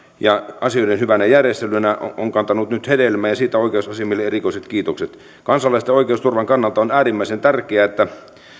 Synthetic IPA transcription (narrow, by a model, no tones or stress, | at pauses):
jɑɑsioidenhyʋænæjærjest̪elynæʔoŋkɑnt̪ɑnut̪nyt̪hedelmæːjɑsiːt̪æoˑikeousɑsimːilːeerikoˑiset̪kiːt̪okset̪ | kɑnsɑlːˑɑist̪eoikeˑust̪urʋɑŋkɑnːɑlt̪ɑonæːrimːæisent̪ærkeæet̪ːæ